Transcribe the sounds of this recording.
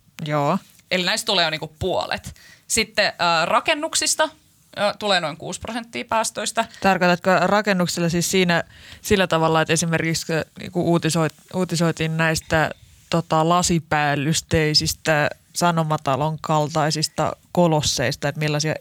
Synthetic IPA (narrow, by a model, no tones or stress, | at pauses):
joː | elinæist̪t̪uleːoniŋkuppuo̰lḛt̪sit̪ːeːrɑkenːuksist̪ɑː | t̪uleːnoiŋkṵːsprosent̪ːiːpæːst̪oist̪ɑt̪ɑrkojt̪ɑt̪kørɑkenːuksilːɑsiːssiːnæsilːæt̪ɑʋɑlːˑɑet̪esimerkiksknḭːŋkuʔuːt̪isoit̪uːt̪isoit̪iːnnæist̪æ | t̪ot̪ɑlɑsipæːlːyst̪eisist̪æ | sɑnomɑt̪ɑloŋkɑlt̪ɑisist̪ɑ̰kolosːḛist̪ɑet̪milːɑsiɑ̰